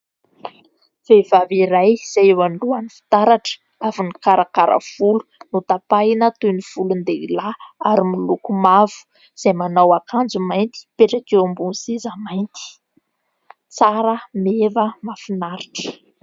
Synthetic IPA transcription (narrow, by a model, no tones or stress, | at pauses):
v̥evaviɾajz̥ajwaɳluanifi̥t̪aɾaʈ͡ʂə̥ | avinikaɾakaɾʔə̰v̥ulu̥nut̪apanət̪univ̥ulund̪eilaaɾimilukumavu̥ | z̥ajmanawakʰand͡zumajnt̪i̥peʈ͡ʂakewambunisezamajnt̪i̥ | t͡saɾəmevəmafinaɾiʈ͡ʂə̥